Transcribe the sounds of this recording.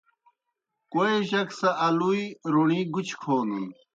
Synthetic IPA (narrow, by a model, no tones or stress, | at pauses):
koeʑɐksɐʔɐlujɾoɳĩːɡut͡ɕkʰoːnun